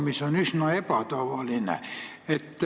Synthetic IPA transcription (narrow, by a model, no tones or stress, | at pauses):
misonysnoepæt̪ɑʋɑlinḛ | et̪ːæ